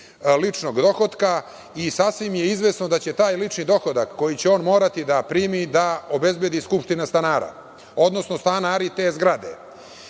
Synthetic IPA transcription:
lit͡ʂno̞ɡd̪o̞xo̞d̪ka | isasʋimjeizʋesno̞d̪at͡ɕe̞t̪aːjlit͡ʂnid̪o̞xod̪akːo̞jit͡ɕeo̞ːnmo̞ːɾat̪id̪apɾiːmid̪ao̞be̞zbjed̪iskupʂt̪inast̪anaːɾa̰ | o̞d̪no̞sno̞st̪anaːɾit̪e̞ːzɡɾad̪ḛ

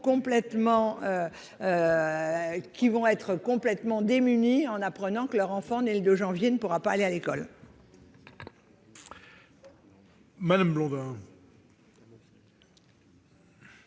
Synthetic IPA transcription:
kɔ̃plɛt̪mɑ̃ø | kʲivɔ̃ɛt̪χəkɔ̃plɛt̪mɑ̃d̪emyniɑ̃napχənɑ̃kəlœʁɑ̃fɑ̃neləd̪øʒɑ̃vjenəpuʁapaːlealekɔl | mad̪amblɔ̃d̪ɛ̃

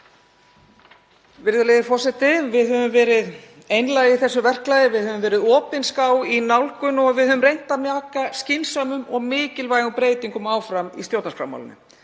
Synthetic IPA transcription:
vɪɾðʏleðɪfɔr̥sɛt̪ɪvɪðɦœvʏmvɛːɾɪð | ejnlaɣiθɛsːʏvɛr̥klajðɪvɪðhœːvʏmvɛːɾɪðɔːpɪnskawinawlkʏnɔɣvɪðhœːðvʏmrejn̥t̪amjaːkascɪnsamʏmɔɣmɪːcɪlvaːjɣʏmpɾeːjt̪iŋkʏmaːwfɾamist̪jowt̪nasfɾa̰mːa̰lɪ̰nɪ̰

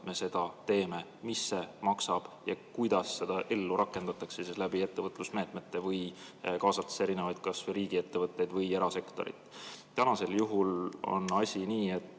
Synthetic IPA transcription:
me̞se̞d̪̥ɑt̪e̞ːme̞misːe̞mɑksɑb̥jɑkujd̪̥ɑsːe̞d̪̥ɑʔe̞lːuɾʔɑkːˑe̞nd̪̥ɑt̪ːˑɑksesislæbie̞t̪ːe̞vɤt̪ˑlusme̞ːt̪me̞t̪ːe̞vɤjkɑːsɑlt̪ːe̥se̞ɾine̞vɑjd̪̥̚kɑsvɾiːɡ̥ie̞t̪ːevɤt̪ːˑe̞jd̪vɤje̞ɾɑse̞kt̪o̞̰ɾḭt̪ːˑt̪ænɑse̞ljuɦulo̞̰nɑsʲiniːe̞t̪ː

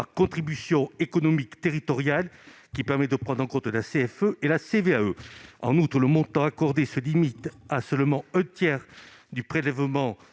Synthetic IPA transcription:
akɔ̃t̪χibysjɔ̃ekɔnɔmikt̪eʁit̪ɔʁjal | kʲipɛʁmɛd̪əpχɑ̃d̪ʁɑ̃kɔ̃t̪əlaseɛføʔelaseveaøɑ̰̃nut̪χələmɔ̃t̪ɑ̃akɔʁd̪esəlimit̪asœlmɑ̃ɛ̃t̪jɛʁ | d̪ypχelɛvmɑ̃

